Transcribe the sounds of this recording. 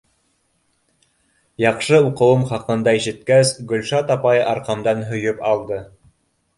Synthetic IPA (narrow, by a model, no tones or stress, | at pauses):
jɑqʃɤuqɤ̆wɤmχɑqɤ̆nd̪ɑiʃɘ̆t̪̚kæsɡɵ̆lʃɑt̪ɑpɑjʔɑɾqɑmd̪ɑnɦɵ̆jɵpɑlˠd̪ɤ